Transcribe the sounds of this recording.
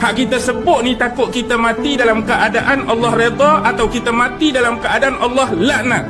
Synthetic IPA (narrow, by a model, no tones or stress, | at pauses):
haʔkit̪asəbʊt̪̚nit̪akʊt̪̚kit̪amãt̪idalamkəʔadaʔanɑlːɑhred̪ɔat̪awkit̪amãt̪idalamkəadaʔanʔɑlːɑhlaʔna